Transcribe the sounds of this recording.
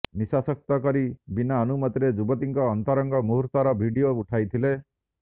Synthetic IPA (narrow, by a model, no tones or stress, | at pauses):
nisasɔk̚t̪ɔkɔɾibinaɔnumɔt̪iɾed͡ʒubɔt̪iŋkɔːnt̪ɔɾɔŋɡɔmuɦuɾt̪aɾɔbʱiɖiouʈʰajt̪ʰile